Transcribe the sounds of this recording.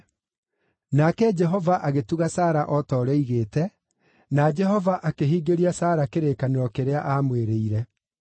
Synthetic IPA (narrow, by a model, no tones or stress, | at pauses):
nakɛd͡ʒɛɦɔvaʔaɣetuɣasaːɾaʔɔtɔːɾɛiɣeːtɛ | nad͡ʒɛɦɔvaʔakeɦiːɡeɾiasaːɾakeɾeːkaneɾɔkeɾeaʔamweɾeiɾɛ